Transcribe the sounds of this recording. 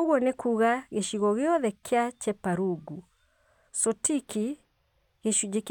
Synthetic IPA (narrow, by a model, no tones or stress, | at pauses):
oɣwɔnekuːɣaɣeʃiɣɔɣjɔðɛkʰeat͡ʃɛpaɾuɡu | sɔtikʰi | ɣeʃud͡ʒek